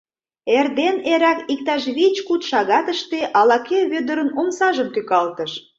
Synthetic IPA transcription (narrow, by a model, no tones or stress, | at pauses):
erd̪eneɾækik̚t̪ɑʃ̬βit͡ɕkut̪ʃɑɣɑt̪əʃt̪eʔɑlɑkeβød̪əɾə̆nomsɑʒəmt̪ykɑlt̪əʃ